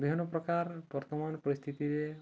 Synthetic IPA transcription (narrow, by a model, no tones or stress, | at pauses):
biɦinɔpɾɔkaɾbɔɾt̪ɔmanpɔɾist̪ʰit̪iɾe